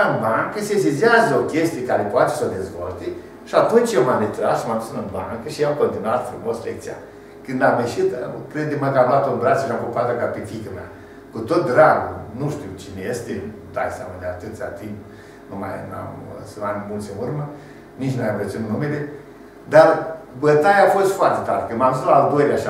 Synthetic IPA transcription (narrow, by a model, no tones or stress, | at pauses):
aɨnbaŋkəsesiziazəokʲest̪ijekaɾepoat̪esəd̪ezvolt̪e | ʃiat̪unt͡ʃjewmamɾet̪ɾa̰sʃimamd̪usɨnɨnba̰ŋkəʃiamko̞nt̪inuat̪fɾumoslek̚t̪sija̰ | kɨnd̪ameʃit̪kɾed̪̚emaɡabat̪onbɾat͡ʃəʃamkopat̪akapefikəmea̰ | kut̪ot̪̚d̪ɾaɡunuʃt̪iut͡ʃinejest̪et̪a̰jsʲia̰mad̪eat̪ɨt̪sʲa̰t̪imp | numa̰jna̰mseanmult̪sʲenurmə | nit͡ʃnuavjʲamresunnumele | d̪arbət̪ajaːfost̪foart̪et̪a̰ɾekɨnmamzislaːld̪ojlʲaʃ